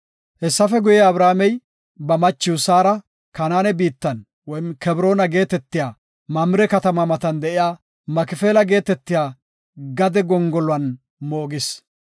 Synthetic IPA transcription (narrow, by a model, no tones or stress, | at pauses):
hɛsːɐfɛɡʊjɛɐbɾaːmɛj | bɐmɐt͡ʃːɪʊsaːɾɐ | kɐnaːnɛbiːt̪ːɐn | wɔjnkɛbɪɾo̞ːnɐɡe̞ːt̪ɛt̪ːɪjaː | mɐmɪɾɛkɐt̪ɐmɐmɐt̪ɐnd̪ɛʔɪjaː | mɐkɪfeːlɐɡe̞ːt̪ɛt̪ːɪjaː | ɡɐd̪ɛɡɔŋɡɔlʊɐn | moːɡɪs